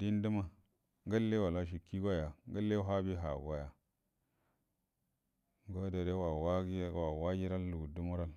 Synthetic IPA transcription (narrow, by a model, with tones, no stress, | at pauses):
di˦n˦di˦ma˦ | ŋɡa˦lːe˦wa˨la˦ʃ̬i˨kːi˦ɡa˦ja˨ŋɡa˦lːe˦ɦa˦bi˦ɦa˨ɡa˦ja˨ | ɡo˦da˨ɾe˦wa˨wa˦ɡi˦wa˨wa˦ɡi˦ɾa˦lːu˨ɡu˨du˦mu˦ɾa˦l